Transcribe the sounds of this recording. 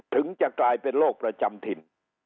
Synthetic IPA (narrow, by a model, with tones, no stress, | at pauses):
t̪ʰɯ˩˦ŋt͡ɕa˨˩ʔklaː˧jpe˧nloː˥˩k̚pɾa˧t͡ɕa˧mt̪ʰi˧n